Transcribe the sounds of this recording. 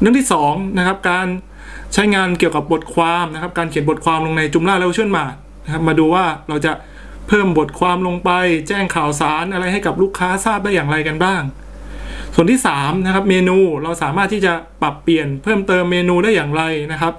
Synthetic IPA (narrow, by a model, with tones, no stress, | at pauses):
ɾɯ˥˩ŋt̪ʰiː˥˩sɔː˩˦ŋna˦˥kʰa˦˥p̚kaː˧n | t͡ɕʰa˦˥jŋaː˧nki˨˩əwka˨˩p̚bo˨˩t̪̚kʰwaː˧mna˦˥kʰa˦˥p̚kaː˧nkʰi˩˦nbo˨˩t̪̚kʰwaː˧mlo˧ŋna˧jt͡ɕu˧mlaː˥˩lɛ˥˩t͡ɕʰɯ˥˩ənmaː˧˩ | na˦˥kʰa˦˥p̚maː˧duː˧waː˥˩ɾa˧wt͡ɕa˨˩ʔ | pʰɤː˥˩mbo˨˩t̪̚kʰwaː˧mlo˧ŋpa˧jt͡ɕɛː˥˩ŋkʰaː˨˩wsaː˩˦nʔa˧ɾa˧jɦa˥˩jka˨˩p̚luː˥˩kʰːaː˦˥saː˥˩p̚daː˥˩jaː˨˩ŋɾa˧jka˧nbaː˥˩ŋ | su˨˩nt̪iː˥˩saː˩˦mna˦˥kʰa˦˥p̚meː˧nuː˧ɾa˧wsaː˨˩˦maː˥˩t̪ʰːiː˥˩t͡ɕa˨˩pa˨˩pːi˨˩ənpʰɤː˥˩mt̪ɤː˧mːeː˧nuː˧daː˥˩jːaː˨˩ŋɾa˧jna˦˥kʰa˦˥p̚